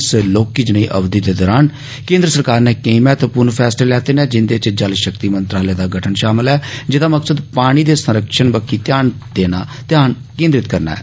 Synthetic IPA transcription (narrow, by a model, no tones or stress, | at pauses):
sloːkiːd͡ʒəneːʔə̰bd̪iːd̪eːd̪ɔːɾaːn | kẽːnd̪ɾəsəɾkaːɾnẽːkẽimɛːt̪pʊnpʰɛːsleːlɛːt̪eːnẽːd͡ʒɪnd̪eːt͡ʃd͡ʒəlʃəkt̪iːmənt̪ɾaːleːd̪aːɡəʈʰənʃaːmɪlɛːd͡ʒɪd̪aːməksəd̪paːɽ̃iːd̪eːsəɾəkʃənbəkʰiːt̪jaːn | d̪eːnaːt̪ɪjaːn | kẽːnd̪ɾɪt̪kəɾna̰ːɛ̰ː